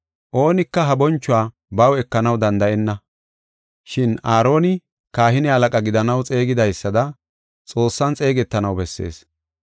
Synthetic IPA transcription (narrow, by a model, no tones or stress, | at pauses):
ʔo̞ːnɪkːɐɦɐbɔnt͡ʃːʊwaː | bɐwɛkːɐnɐwd̪ɐnd̪ɐʔɛnːɐ | ʃɪnaːɾo̞ːnɪ | kaːhɪnɪɐlɐkʼɐɡɪd̪ɐnɐwt͡sʼe̞ːɡɪd̪ɐjsːɐd̪ɐ | t͡sʼo̞ːsːɐnt͡sʼe̞ːɡɛt̪ːɐnɐwbɛsːe̞̰ːs